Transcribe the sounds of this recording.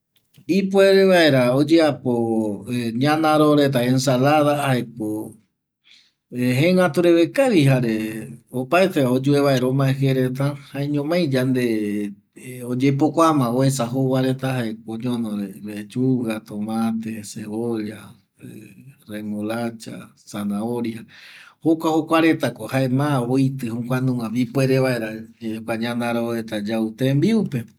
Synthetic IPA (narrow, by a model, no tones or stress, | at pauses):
ipweɾeβae̞ɾaod͡ʒeapo | ɲãnãɾoɾe̞t̪̬aensalaðahaeko | ɦẽŋat̪uɾeβekaβiɦaɾeopaet̪eaod͡ʒueβaeɾomãeɦeɾet̪̬ahaeɲõmãj̃d͡ʒand̪e | od͡ʒep̬okʷamãoesaɦowaɾe̞t̪aɦaekõɲõnõɾeɾet͡ʃuɣat̪omãt̪eseoʎa | eremolat͡ʃa̰ | sanaoɾjahokʷahokʷaɾe̞t̪akohaemãojt̪ɨhũkʷanũãβipweɾeβaeɾakʷaɲãnd̪aɾaoet̪ad͡ʒawt̪embiupe